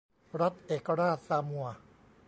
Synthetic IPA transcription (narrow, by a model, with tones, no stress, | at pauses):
ɾa˦˥t̪̚ʔeː˨˩ka˧ɾaː˥˩t̪̚saː˧mu˧ɐ